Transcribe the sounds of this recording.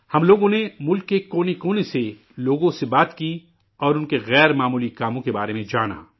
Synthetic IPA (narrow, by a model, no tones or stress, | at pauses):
hɐmloːɡõnemʊlkːekoːnikoːnese | loːɡõsebaːt̪ki | ɔːɾʊnkeɣɛːɾmaːmuːlikaːmõkebaːɾemẽd͡ʒaːna̰ː